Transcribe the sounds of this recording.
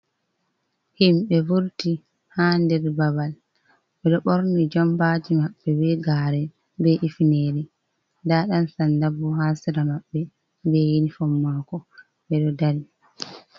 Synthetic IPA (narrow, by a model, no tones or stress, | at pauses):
himbɛvuɾti | haːndɛɾbabal | ɓɛɗɔɓoɾnid͡ʒɔmbaːd͡ʒimaɓːɛbɛɡaːɾɛ | bɛʔifneːɾi | ndaɗansandabuɦasiɾamaɓːɛ | bɛjinifɔmːaːkɔ | bɛɗɔdaɾi